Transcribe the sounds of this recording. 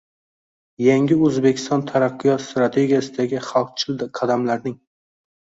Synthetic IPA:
jaŋɡʲɪɵzbe̞kʲʰɪ̥st̪ɒnt̪ʰaɾaqʰːɨjɒt̪st̪ɾat̪ʰe̞ɡʲijasɪd̪aɡʲɪχalˠq̚t͡ʃʰɪld̪qʰɑd̪amlaɾnɪŋ

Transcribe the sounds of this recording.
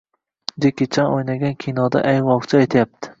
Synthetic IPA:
d͡ʒekʲet͡ʃʰanojnaɡʲankʲʰinɒd̪a̰ʔajvɒʁt͡ʃʰɪajt̪ʰajap̚t̪ʰɪ̥

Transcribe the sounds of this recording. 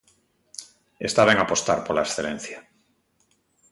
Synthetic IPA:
est̪aβeŋapost̪aɾpolaesθelẽn̟θja

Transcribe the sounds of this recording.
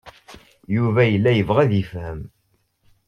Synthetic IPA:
juvæjəlːæjəvʁæðifhəm

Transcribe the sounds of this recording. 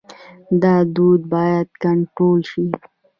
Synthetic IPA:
d̪ɑd̪ud̪̚bɑjad̪̚kaɳʈɾolʃi

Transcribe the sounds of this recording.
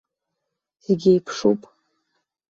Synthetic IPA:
iɡʲejpʰʂupʼ

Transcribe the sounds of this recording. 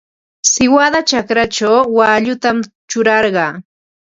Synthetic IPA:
sɪwad̪at͡ʃakɾat͡ʃawwaʎʊt̪am | t͡ʃʊɾɑɾɢɑː

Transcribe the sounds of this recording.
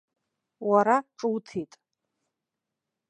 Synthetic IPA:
waɾaʈ͡ʂʼɨwtʰitʼ

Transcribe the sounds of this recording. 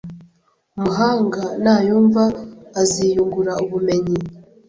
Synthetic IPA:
umuɦaːŋɡanaːjuːɱvaːziːjuŋɡuɾauβume̞ɲi

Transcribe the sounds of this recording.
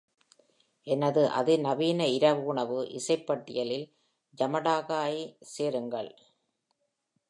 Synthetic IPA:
ʔɛnɐðɯʔɐ̰ðɯnɐʋiːnɐɪɾɐʋɯʊɳɐʋɯʔɪ̰sɐɪpːɐʈːɪ̰jɐlɪl | d͡ʒɐmɐɽaːɣaːjseːɾɯŋɡɐɭ

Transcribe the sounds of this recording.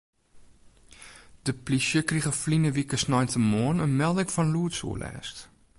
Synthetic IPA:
d̥əpliʃəkriχəflinəvikəsnɐjntəmɔːnənmɛlˠdəkfɐnluːtsṵlʔɛ̰ːst

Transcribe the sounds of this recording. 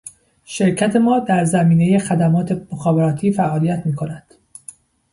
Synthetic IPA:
ʃe̞ɾcʰæt̪ʰe̞mɒːd̪æɾzæmiːneje̞xæd̪æmɒːt̪ʰe̞moxɒːbe̞ɾɒːt̪ʰiːfæʔɒːlijæt̪ʰmiːkʰo̞næd̪̥

